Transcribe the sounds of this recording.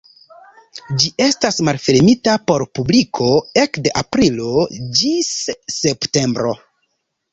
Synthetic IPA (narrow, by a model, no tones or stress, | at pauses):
d͡ʒiʔe̞stasmalfe̞ɾmitapo̞ɾpublikʰo̞e̞kdeʔapɾilo̞d͡ʒisːe̞pte̞mbɾo̞